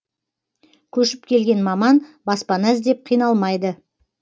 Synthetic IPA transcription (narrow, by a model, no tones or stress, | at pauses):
kʲʰɵʃɪp̚kʲʰe̞lɡʲe̞nmɑmɑnbɑspɑnæzd̪e̞p̚qʰijnɑlˠmɑjd̪ə